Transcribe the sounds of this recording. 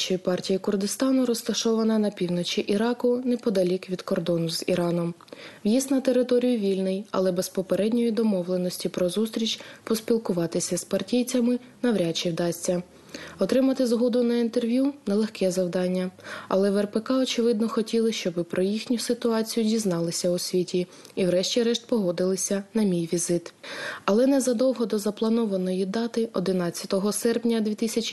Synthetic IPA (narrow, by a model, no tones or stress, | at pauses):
t͡ʃɔjipɑrtʲijikʊrd̪ɪst̪ɑnʊɾɔst̪ɐʃɔʋɐnɐnɐpʲiwnɔt͡ʃʲiʔiɾɑkʊnɛpɔd̪ɐlʲikʋʲid̪̥kɔrd̪ɔnʊzḭɾɑnɔmʋjist̪nɐt̪eɾɪt̪ɔɾʲijʊʋʲilʲnɪjɐ̰lˠɛbɛspɔpeɾɛdʲnʲɔjid̪ɔmɔʋlˠenɔsʲtʲipɾɔzust̪ɾʲit͡ʃʲpɔspʲilˠkʊʋɑt̪ɪsʲɐspɐrtʲijt͡sʲɐmɪ | nɐʋɾʲat͡ʃiwd̪ɑsʲt͡sʲɐ | ɔt̪ɾɪmɐt̪ɪzɦɔd̪ʊnɐint̪erʋʲjunɛlˠexkɛzɐwd̪ɑnʲːɐɐ̰lˠɛʋɛrpekɑɔt͡ʃɪʋɪd̪̚nɔxɔtʲilˠɪʃt͡ʃɔbɪpɾʔɔjixnʲʊsɪt̪ʊɑt͡sʲijʊdʲiznɑlˠɪsʲɐʊsʲʋʲitʲi | iwɾɛʃt͡ʃʲiɾɛʃt̪̚pɔɦɔd̪ɪlˠɪsʲɐnɐmʲijʋʲizɪt̪ɐlˠɛnɛzɐd̪ɔwɦɔd̪ɔzɐplˠɐnɔʋɐnɔjid̪ɑt̪ɪʔɔd̪ɪnɑt͡sʲːɐt̪ɔɦɔsɛrpnʲɐd̪ʲʋʲit̪ɪsʲɐt͡ʃʲ